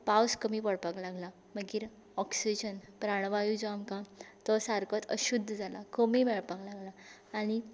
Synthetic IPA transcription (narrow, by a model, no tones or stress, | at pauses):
pawskəmiːpəɽpaklaɡla | məɡiːɾ | ɔksid͡ʑənpɾaɳ̃ʋajud͡zoamkãt̪ɔsaɾkət̪ə̰ɕud̪ʱːəd͡zʱalakəmimɛɭpaklaɡlaː | ɽ̃i